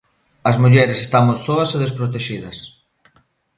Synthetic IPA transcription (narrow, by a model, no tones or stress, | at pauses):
ɐzmuʎɛɾesest̪amossoɐseðespɾot̪eʃiðɐs